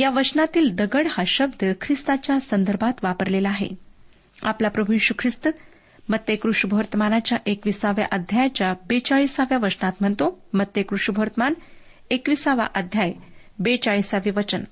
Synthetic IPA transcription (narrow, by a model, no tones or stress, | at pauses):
jaʋət͡ɕnat̪iːld̪əɡəɽhaɕəb̚d̪əkʰɾist̪at͡ɕjasənd̪əɾbʱat̪ʋapəɾlelaːɦḛ | a̰plapɾəbʱujiɕukʰɾist̪ | mət̪jəkɾuʂbʱəʋəɾt̪əmanat͡ɕjaʔekʋisaʋja̰ʔəd̪ʱjajt͡ɕjabet͡ɕaɭisaʋjaʋət͡ɕnat̪m̤əɳt̪omət̪jəkɾuʂbʱəɾt̪əman | ekʋisaʋa̰ʔəd̪ʱjaj | bet͡ɕaɭisaʋiʋət͡ɕən